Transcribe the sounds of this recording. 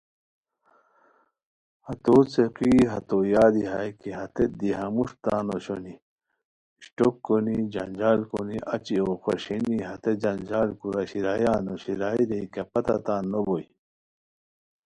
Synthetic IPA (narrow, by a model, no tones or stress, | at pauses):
hɐt̪ot͡seqiɦɐt̪ojaːd̪iɦajkiɦɐt̪ed̪iɦɐmuʂt̪aːnoɕoni | ɕʈokːonid͡ʑɐ̰nd͡ʑaːlkoniʔɐt͡ɕioːxoɕiniɦɐt̪ed͡ʑɐnd͡ʑaːlkuɾaɕiɾaːjaːnoɕiɾaːiɾeikɐpɐt̪at̪aːnːoboi